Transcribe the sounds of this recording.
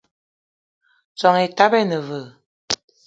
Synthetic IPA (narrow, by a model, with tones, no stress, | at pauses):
t͡sɔ˨ŋe˨ta˦bɛ˦nə˨və˨